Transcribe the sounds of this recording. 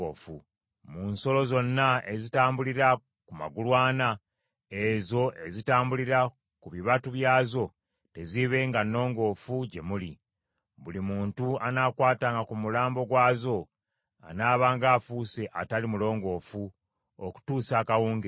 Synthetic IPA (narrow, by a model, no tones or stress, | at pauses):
o̰fu | munso̞lo̞zo̞nːae̞zitaːmbuliɾa | kuma̰ɡulwaːna | e̞zo̞ʔe̞zitaːmbuliɾa | kuβiβatuβjaːzo̞ | te̞ziβe̞ŋɡanːo̞ːŋɡo̞ːfuɟe̞muli | βulimuːntuanaːkwaːtaːŋɡakumulaːmbo̞ɡwaːzo̞ | a̰naːβaːŋɡaːfuːse̞ʔatalimulo̞ːŋɡo̞ːfu | oku̥tuːsaːkawuːŋɡe